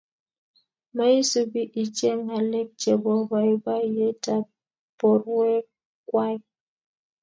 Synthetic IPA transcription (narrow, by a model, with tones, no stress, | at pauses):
ma˦i˦su˦bi˦ʔi˨t͡ʃe˦ŋa˨lɛ˦k̚t͡ʃɛ˨bɔ˦ba˨i˦ba˦je˦ta˦ | pɔ˨ɾwɛ˦ | kwa˦j